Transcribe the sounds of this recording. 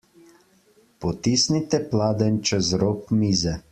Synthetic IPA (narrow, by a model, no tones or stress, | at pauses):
pɔt̪iːsnit̪ɛplaːd̪ɛnt͡ʃɛzɾoːkmiːzɛ